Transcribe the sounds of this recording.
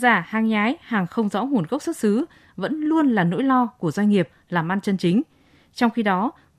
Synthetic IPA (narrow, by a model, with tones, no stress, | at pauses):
zaː˧˩haː˧ŋɲaː˨˦jhaː˨˩ŋxə˧wŋ͡mzɔ̰˧˥ŋu˨˩ənɣə˦˥wk͡p̚sə˦˥t̚sɨ˨˦ | və̰˧˥nlu˧ənlaː˨˩no̰˧˥jlɔ˧ku˧˩əzwa˧jŋ̟ŋi˨˩əp̚laː˨˩mʔa˧nt͡ɕə˧nt͡ɕï˨˦ŋ̟ | t͡ɕɔ˧wŋ͡mxi˧ɗɔ˨˦